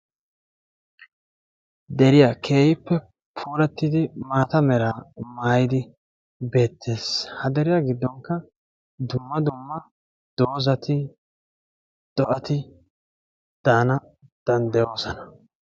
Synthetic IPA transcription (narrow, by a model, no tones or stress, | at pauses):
d̪ɛɾɪjakʰe̞ːjɪpːɛ | pʰuːɾɛt̪ːɪd̪ɪmaːt̪ɐmɛɾaːmaːjɪd̪ɪ | be̞ːt̪ʰːe̞ːshɐd̪ɛɾɪjaːɡɪd̪ːɔŋkːɐ | d̪ʊmːɐd̪ʊmːɐ | d̪̥o̞ːzɐt̪ɪ | d̪̥ɔʔɐt̪ɪ | d̪̥aːnɐ | d̪̥ɐnd̪ɐjo̞ːsɔnɐ̥